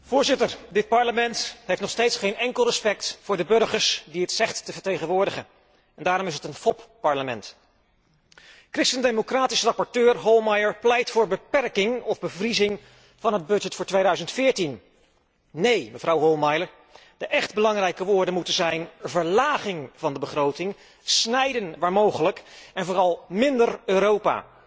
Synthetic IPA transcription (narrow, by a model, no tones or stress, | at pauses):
v̥ʊːɹzɪtəɹdɪt̚pɑɹləmɛntɦejftnɔχstejtsχejnɛŋkəlˠrəspɛk̚tfʊːɹdəbɵɹχəɹsdiɪtsɛχttəvəɹtejχənʋʊːɹdəχən | ɛndaːɾɔmɪsətənfɔppɑɹləmɛnt | krɪstəndemokraːtisərɑpɔɹtøːɹɦolˠmɑjəɹplɛjtfʊːɹbəpɛrkɪŋɔvbəvrizɪŋ | v̥ɑnɦəd̚bɵd͡ʒɛtfʊːɹtʋejdœɥzəntfɪːɹtinː | ejməvrɑwɦɔlˠmɑjləɹ | d̥əʔɛχd̚bəlɑŋrɛjkəʋʊːɹdənmutənzɛjnvəɹlaːχɪŋvɑndəbəχrowtɪŋ | snɛjdənʋaːɹmowχələkɛnvʊːrɑlˠmɪndərøːɾowpa̰ː